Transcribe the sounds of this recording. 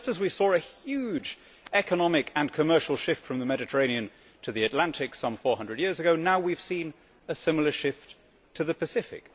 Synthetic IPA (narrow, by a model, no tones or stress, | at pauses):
ʌstɨzwisɔɹɨhjʉd͡ʒ | ɛkənɑmɪkʰə̃nkʰəmɜ˞ʃl̩ˠʃɪftfɹʌ̃mðəmɛɾɨtʰə˞ẽɪ̃niɨ̃n | tʰɨðiɨtˡlæ̃ntʰɪksʌ̃ɱfɔɹhʌ̃ndɹədjɪɹzɨɡoʊnaʊwiv̥sĩn | ɨsɪ̃ml̩ˠə˞ʃɪft | tʰɨðɨpɨsɪfɪ̰k